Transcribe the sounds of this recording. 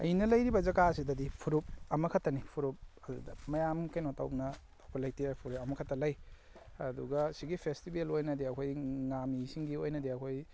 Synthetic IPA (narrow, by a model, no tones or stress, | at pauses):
ɐ̰jinɐlɐjɾibɐzɐɡasidɐdipʰuɾup̚ɐmɐkʰɐtːɐnipʰuɾup̚ɐdṵdɐmɐjamkejnotawpnɐː | kʰojlɐjtiajpʰuɾeɐmɐkʰɐtːɐlɐj | ɐ̰duɡɐsiɡipʰestibelojnɐdiɐkʰojŋamisiŋɡiojnɐdiɐkʰoj